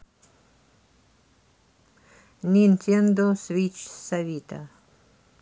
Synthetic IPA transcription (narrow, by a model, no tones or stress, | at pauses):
nʲint̪ʲʰend̪osvit͡ʃsɐvʲit̪a